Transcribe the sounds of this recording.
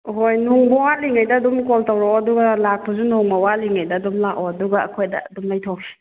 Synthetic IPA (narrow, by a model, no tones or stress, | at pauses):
ɦojnuŋbɔwaliŋajdɐːdumkɔltawɾɔɐduɡɐlak̚pɐzunuŋbawaliŋajdɐːdumlakɔɐduɡɐɐ̰kʰojdɐ̰ːdumlajtʰokʰei̥